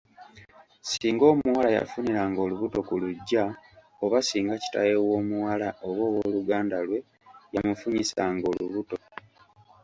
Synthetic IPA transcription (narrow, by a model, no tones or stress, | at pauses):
siːŋɡo̞ːmuwalaja̰funiɾaŋɡo̞luβuto̞kuluɟːa | oβasiːŋɡaci̥ta̰jewo̞ːmuwalaoβo̞ːwoluɡaːndalwe̞ | jamufuɲisaŋɡo̞luβuto̞